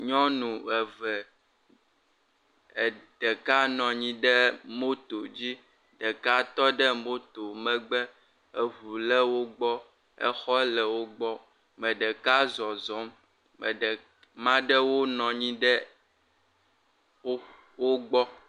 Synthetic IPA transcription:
ɲɔ̃˦nũ˨ɛ˨vɛ˨ | ɖ̥ɛ˨ka˦nɔ̃˨ɲĩ˦ɖɛ˦mo˦t̪o˨d͡ʑi˦ | ɖɛ˨ka˦t̪ɔ˦ɖɛ˦mo˦t̪o˨mɛ̃˦ɡ͡bɛ˦ | e˨βu˨lɛ˦wo˦ɡ͡bɔ˦ | ɛ̰˦xɔ˦lɛ˨wo˦ɡ͡bɔ˦ | mɛ̃˨ɖɛ˨ka˦zɔ˨zɔ˨˦m | mɛ̰˨ɖɛ˨ | mã˦ɖɛ˦wo˦nɔ̃˨ɲĩ˦ɖɛ˦ | wo˦ɡ͡bɔ˦

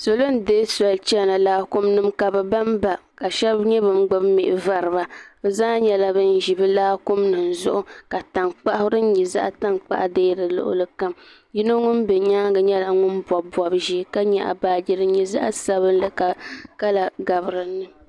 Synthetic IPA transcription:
so˨lo˦n˦deː˦sa˨lt͡ʃɛ˦˨na˨laː˦kʊ˦mnɨ˦mka˨bɛ˨ba˦mba˨ka˨ʃɛ˦bɲɛ˦bɨ˨mɡ͡bɨ˦bmɪ˨ʔɪ˨va˦ɾɨ˨ba˦o˨zaː˦ɲɛ˨la˦bɨ˦n˦ʒi˨bɨ˦laː˦kʊ˦mnɨ˨n˨zʊ̰˦ʔʊ˦ka˨ta˨ŋk͡pa˦ʔhʊ˦ɾɨ˦n̩˦ɲi˨za̰˦ʔa˦ta˦ŋk͡pa̰˦ʔa˨deː˦dɨ˨lʊ̰˦ʔʊ̰˦lɨ˦ka˦m | ji˦no˦ŋʊ˦nbɛ˨ɲaː˦ɡɨ˨ɲɛ˦la˨ŋʊ˦nbɔ˨bɔ˨bʒiː˦ka˦ɲɛ˨ʔa̰˨baː˨d͡ʒi˦ɾɨ˦ɲi˨za̰˦ʔa̰˦sa˨βɨ˦n˦lɨ˦ka˨ka˦la˨ɡa˨βɨ˨ɾɨ˨nːɨ˦

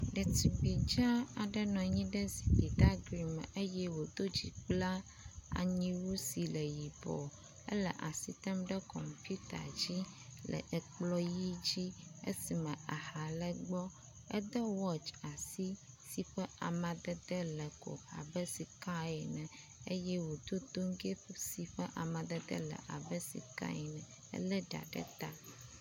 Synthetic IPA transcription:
ɖɛ˨t̪i˨bi˨d͡ʒa˦a˨ɖɛ˦nɔ̃˨ɲĩ˦ɖɛ˦zi˨d̪i˨d̪a˦ɡɾi˨m˨e˦jɛ˦wo˨d̪o˦d͡ʑḭ˨k͡pla˦ | a̰˨ɲĩ˦wu˦si˨lə˨ji˨bɔ̰˨ | ə̰˦lɛ̰˨ʔa˨si˦t̪ɛ˦mɖɛ˦kɔ̰˨mpju˦t̪a̰˨d͡ʑi˦ | lɛ̰˨ʔɛ˨k͡plɔ˦ji˦d͡ʑi˦ḛ˦si˨mɛ̃˨a˨ha˨lə˦ɡ͡bɔ˦ | ɛ˦d̪ə˦wɔ˦t͡ʃa˨si˦ | si˨ɸɛ˦a˨mã˨d̪ə˦d̪ə˦lə˨ko̰˨a̰˨bə˦si˨ka˦ɛ˨nɛ̃˨ | e˦jɛ˦wo˨d̪o˦d̪o˦ŋɡe˦si˨ɸə˦ʔa˨mã˨d̪ə˦d̪ə̰˦lə̰˨ʔa˨bə˦sḭ˨ka̰˦ɛ˨nɛ̃˨ | ə̰˦lə˦ɖa̰˨ɖə̰˦t̪a˦

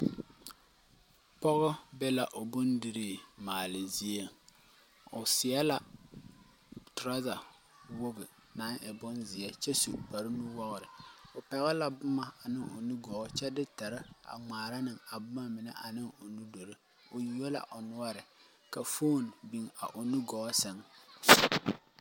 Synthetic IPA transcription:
pɔ˦ɣɔ˦bɛ˦la˨ʔo˨bʊ˦ndɪ˨ɾi˨maː˨lɪ˨zi˦e˦ | ʊ˨sɪ˨a˦la˨ | tɾa˦za˨ | wo˦ɡɪ˨ | na˦ŋʔɪ˨bʊ˦nzɪ˨ɛ˦t͡ʃɛ˦sṵ˨k͡pa˨ɾɪ˦nu˦wɔ˦ɣʊ˨ɾɪ˨ʊ˨pɛ˨ɣɛ˦la˨bʊ˦ma˨a˨nɪ˦ŋo̰˨nu˦ɡɔ˨˦t͡ʃɛ˦dɪ˦tɛ˨ɾɪ˦a̰˨ŋ͡maː˨ɾa˦nɪ˨ŋa˨bʊ˦ma˦mɪ˨nɛ˦ʔa˨nɪ˦ŋo˨nu˦do˨ɾɨ˦ | ʊ˨ju˦a˦la̰˨ʔʊ˨nʊ˦a˦ɾɪ˨ | ka˨fo˦˨nbi˨ŋa̰˨ʔʊ˨nu˦ɡɔ˨˦sɛ˦ŋ

